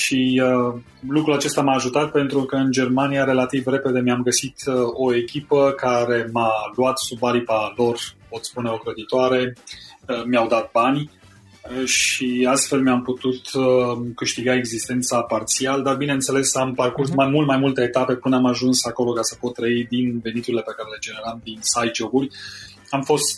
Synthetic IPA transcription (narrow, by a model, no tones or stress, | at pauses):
ʃiə | lukɾulat͡ʃe̞st̪amaːʒut̪at̪̚pe̞nt̪ɾukəɨnd͡ʒe̞rmaniaɾe̞lat̪ivre̞pe̞d̪e̞miamɡəsit̪o̞e̞kʲipəkaɾe̞maluat̪subaɾipalo̞rpo̞t̪spune̞o̞kɾəd̪it̪oaɾe̞ | mjawd̪at̪̚banʲ | ʃiast̪fe̞lmjamput̪ut̪kɨʃt̪iɡae̞ɡzist̪e̞nt̪sapart̪siald̪arbineɨnt̪se̞le̞samparkursmamult̪majmult̪eet̪ape̞pɨnəamaʒunsako̞lo̞kasəpo̞t̪ːɾəid̪inve̞nit̪uɾile̞pe̞kaɾe̞le̞d͡ʒe̞ne̞ɾamd̪insajd͡ʒo̞burʲ | amfo̞st̪